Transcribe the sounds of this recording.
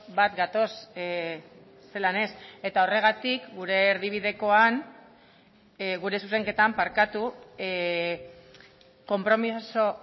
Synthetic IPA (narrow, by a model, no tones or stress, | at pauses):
bat̪ɡat̪o̞s | e̞lane̞se̞t̪ao̞re̞ɣ̞at̪ikɡuɾe̞ːɾðiβ̞iðe̞ko̞an | ɣuɾe̞suse̞ŋke̞t̪ampaɾkat̪u | ko̞mpɾo̞miso